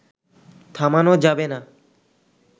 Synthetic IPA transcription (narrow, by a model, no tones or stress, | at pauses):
t̪ʰamanod͡ʑabena